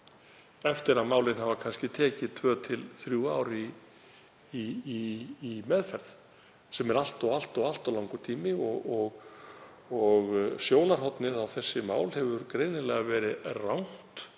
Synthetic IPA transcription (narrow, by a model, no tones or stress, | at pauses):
ɛft̪ɪɾaðmaːwlɪnhavakʰanscɪt̪ʰɛːcɪðt̪ʰvœːt̪ʰɪlθɾjuaːwɾi | mɛðfɛɾð | sɛmɛɾal̥t̪ɔɣal̥t̪ɔal̥t̪awlawŋkʏt̪ʰiːmɪɔɔɣ | ɔɣsjoːwnaɾ̥ɦɔt̪nɪðawθɛsːɪmaːwlhɛvʏɾkɾeːjnɪlɛɣavɛːɾɪðrawn̥t̪